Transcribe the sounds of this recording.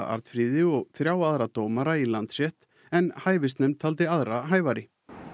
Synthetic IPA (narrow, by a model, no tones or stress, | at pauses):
a̰ɾt̪fɾiːðɪɔɣθɾjaːwaðɾat̪oːwmaɾailant̪sɛht̪ | ɛnhaːjvɪst̪nɛmt̪ʰalt̪ɪaðɾaɦaːjvaɾɪ